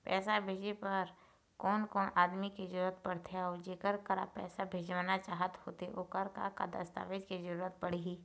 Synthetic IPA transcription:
pɛ̰ːsabʱeːd͡ʒepɐɾ | kɔːnkɔːnʔaːd̪mikizəɾuːɾət̪̚pɐɽt̪ʰeɔːd͡ʒeːkəɾkəɾa̰pɛ̰ːsabʱeːd͡ʒʋaːnat͡ʃaːɦət̪hoːt̪eʔoːkəɾka̰ka̰d̪ɐ̰st̪a̰ːʋed͡ʒkizəɾuːɾət̪pɐɽ̤iɦiː

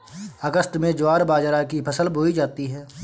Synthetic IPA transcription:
əɡəst̪mẽd͡ʒʊaːɾbaːd͡ʒɾakipʰɐsəlbʱoːid͡ʒaːt̪iɦɛː

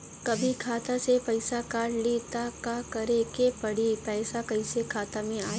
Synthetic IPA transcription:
kɐbʱikʰaːt̪asepɐɪsakaːɽlit̪akakɐɾekepɐɽipɛːsakɐisekʰaːt̪amẽaː

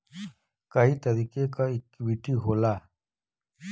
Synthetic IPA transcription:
kɐit̪ɐɾiːkekaikːwiʈiɦoːlaː

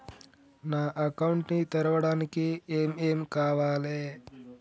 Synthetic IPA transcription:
naːʔɐkɐwɳʈnit̪ɐɾɐʋɐɽaːnikieːmeːmkaːʋaːleː

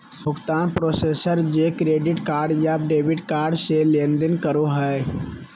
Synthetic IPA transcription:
bʱʊkt̪aːnpɾoːseːsəɾd͡ʒekɾeːɖɪʈkaːɾɖjaːbɖeːbɪɖkaːɾɖselẽːnd̪ənkəɾoɦɛ

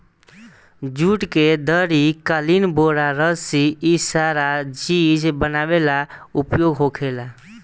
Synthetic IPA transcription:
d͡ʒuʈked̪əɾikəlinboɾaɾəsiisaɾad͡ʒid͡ʒbənabelaupjoɡɦokʰela

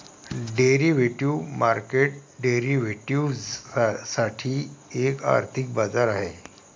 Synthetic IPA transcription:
ɖeɾiʋeʈimaɾkeʈ̚ɖeɾiʋeʈiu | saʈʰiːeka̰ɾt̪ʰik̚bad͡zaɾaɦe

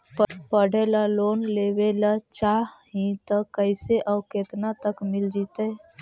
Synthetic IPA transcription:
ppəɽ̤ʱelaloːnleːwelat͡ʃaɦĩt̪əkəɪseʔəʊket̪nat̪əkmɪld͡ʒit̪ə

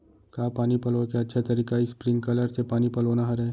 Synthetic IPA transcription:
kaːpaːnipɐlokeɐtːʃʰet̪ɐɾiːkaispɾɪ̃ŋɡkɐləɾsepaːnipɐloːnaɦɐɾɛː

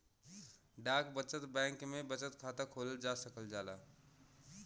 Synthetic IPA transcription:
ɖakbət͡ʃət̪bɛ̃ŋkmebət͡ʃət̪kʰat̪əkʰoləld͡ʒasəkəld͡ʒala̰

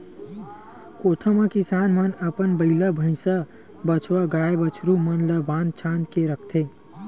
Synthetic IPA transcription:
koːt̪ʰəmãkɪsaːnmənəpənbəɪlabʱəɪ̃sa | bət͡ʃʰwaɡaːebət͡ʃʰɾumənləbãːnd̪̚t͡ʃʰãːnd̪keɾəkʰt̪ʰeː

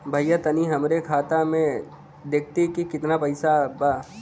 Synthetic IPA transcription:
bʱɐjat̪ɐniɦɐmɾekʰaːt̪amẽ | d̪eːk̚ʰt̪ikikɪt̪napɐɪsabaː

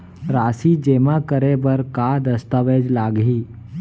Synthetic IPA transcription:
ɾaːsid͡ʒemakəɾebəɾkad̪əst̪əʋed͡ʒlaːɡɦiː

